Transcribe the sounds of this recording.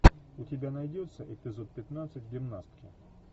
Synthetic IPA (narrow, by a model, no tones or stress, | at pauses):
ʊtʲɪbʲanɐjdʲot̪səʔɪpʲɪzo̞t̪̚pʲɪt̪nat̪sɨt̚ʲɡʲɪmnast̪̚kʲɪ